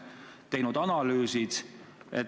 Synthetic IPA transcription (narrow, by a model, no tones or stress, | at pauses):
t̪e̞jnud̪ɑnɑlyːsid̪̥ḛt̪